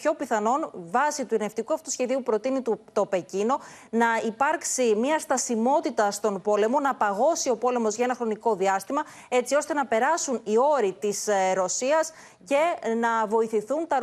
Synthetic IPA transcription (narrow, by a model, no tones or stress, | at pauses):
ço̞piθɐno̞nvɐsit̪uene̞ft̪ikuɐfut̪usçe̞ðiupɾo̞t̪init̪ut̪o̞pe̞cino̞ | nɐipɐɾksimiɐst̪ɐsimo̞t̪it̪ɐst̪o̞npo̞le̞mo̞nɐpɐɣo̞sio̞po̞le̞mo̞zʝɐenɐxɾo̞niko̞ðiɐst̪imɐ | e̞t͡sio̞st̪e̞nɐpe̞ɾɐsunio̞ɾit̪isɾo̞siɐs | ce̞nɐvo̞iθiθunt̪ɐ